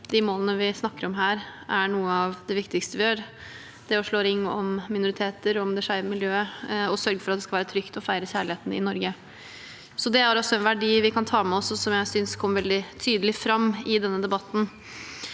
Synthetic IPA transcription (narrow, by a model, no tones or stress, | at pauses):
d̪̥ɪmoːlˠənəʋɪsnɑkːəɾɔmɦæːɾʔæɳuːəɑʋd̪ɛʋɪkt̪ɪkst̪əʋɪjøːɾ | d̪̥ɛɔʂɭoːɾɪŋːɔ̰mmɪnʊɾɪt̪ʰeːt̪əɾɔmd̪ɛʂæɪʋəmɪljøːəɔsœɾɡəfɔɾɑt̪d̪ɛskɑlʋæːɾət̪ʰɾʏkt̪ɔfæɪɾəçæːɭɪheːt̪n̩ɪ̰nɔɾɡə | sɔd̪ɛæɾɔsɔɛnʋæɖiːʋɪkʰɑnt̪ʰɑːmɛɔsːɔsɔmjæɪsʏnskʰɔmːəʋɛld̪ɪt̪ʰyːd̪əlɪfɾɑmːɪd̪ɛnːəd̪ɛbɑt̪ːn̩